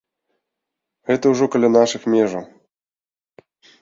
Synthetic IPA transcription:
et̪ɘuʐokʲɘ̆lʲɘ̆nɑʃɨ̆xmʲeʐɘ̆

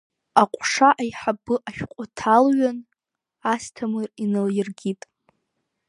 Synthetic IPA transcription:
aqʷʼʂaʔajħabɨʔaʃᶣqʷʼʊtʰalɥan | astʰamɨrinaljɪrɡʲitʼ

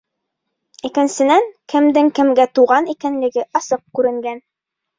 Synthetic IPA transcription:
ikɘ̆nsɘ̆næŋkɘ̆md̪ɘŋkɘ̆mɡæt̪uʁɑnikænlɘ̆ɡɘʔɑsɤq̚kʉɾɘ̆ŋɡæn

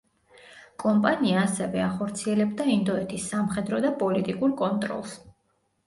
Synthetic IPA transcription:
kʼɔmpʼaniaːsɛvɛaχɔɾt̪sʰiɛlɛbd̪aind̪ɔɛt̪ʰisːamχɛd̪ɾɔd̪apʼɔlit̪ʼikʼuɾkʼɔnt̪ʼɾɔ̰lˠs

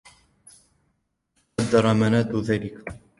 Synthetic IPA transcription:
ɑd̪ːɑɾˤɑmanaːd̪ʊðaːlɪk

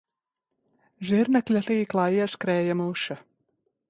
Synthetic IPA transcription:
ʒiɾnaklʲaɬiːklˠaːiɛskɾɛːjamuʃa

